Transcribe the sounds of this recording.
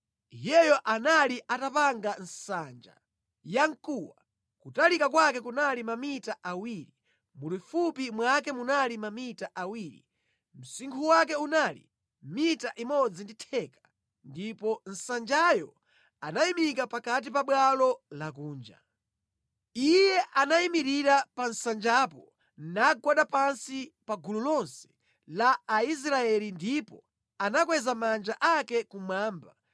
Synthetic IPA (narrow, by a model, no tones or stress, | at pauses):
ijɛjɔʔanaliʔatapaŋɡan̩sand͡ʒa̰ | jaŋkuwa | kutalikakwakɛkunalimamitaʔawiɾi | mulufupimwakɛmunalimamitaʔawiɾḭ | m̩siŋkʰuwak̬ɛunaːlḭ | mitaʔimɔd͡zinditʰɛkḁ | ndipɔn̩sand͡ʒajɔ | anaimikapakat̬ipaɓwalɔlakuːnd͡ʒa̰ | ijɛʔanaimiɾiɾapan̩sand͡ʒaːpɔ | nnaɡwaɗapansipaɡululɔnsɛ̥ | laːis̬ɾaɛlindipɔ | anakwɛzamand͡ʒaʔakɛkumwaːmba